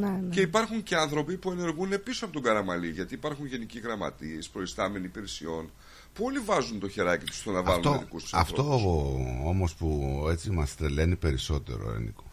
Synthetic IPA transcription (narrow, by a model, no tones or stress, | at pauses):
nnce̞ipɐɾxuɲce̞ɐnθɾo̞pipue̞ne̞ɾɣune̞pisoɐpo̞t̪oɡɐɾɐmɐliʝɐt̪iːpɐɾxunʝe̞niciɣɾɐmɐ̰t̪iespɾo̞ist̪ɐme̞niːpiɾesio̞n | puo̞livɐzunt̪o̞çeɾɐcit̪u̥st̪o̞nɐvɐlunoðikust̪u̥sɐ̰ftt̪o | o̞mo̞spue̞t͡simɐst̪ɾele̞nipe̞ɾiso̞t̪e̞̰ɾo̰ḛnḭko